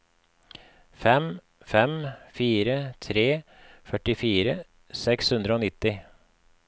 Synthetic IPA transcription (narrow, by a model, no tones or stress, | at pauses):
fɛm | fɛmfiːɾət̪ʰɾeː | fœʈɪfiːɾə | sɛkshʉnd̪ɾəoːnɪt̪ːɪ